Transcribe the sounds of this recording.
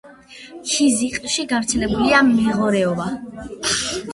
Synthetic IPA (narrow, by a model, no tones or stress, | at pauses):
ʃiziqʼʃiɡavɾt̪sʰɛlɛbuliamɛʁɔɾɛɔba